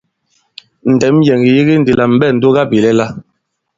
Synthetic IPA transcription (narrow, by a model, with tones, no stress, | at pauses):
n̩˨dɛ˨˦m˦jɛ˨ŋɡi˨ji˦ɡi˦n̩˨di˨la˨m̩˦bɛ˦˨n̩˨do˦ɡa˦bi˨lɛ˦la˦